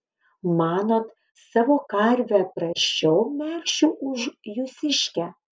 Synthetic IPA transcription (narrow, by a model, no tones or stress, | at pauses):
mɑːnoːt̪ | sɑːʋoːkɐɾʲʋʲæpɾɐʃʲt͡ʃʲɛʊmʲælʲʃʲuʔʊʒjusʲɪʃʲkʲɛ